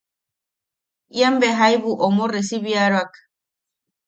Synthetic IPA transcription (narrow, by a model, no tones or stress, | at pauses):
iambeɦajβuʔomoresiβiaɾoak